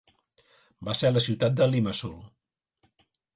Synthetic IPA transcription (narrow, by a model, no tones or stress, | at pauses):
baseɾləsiwt̪at̪̚d̪əliməsulˠ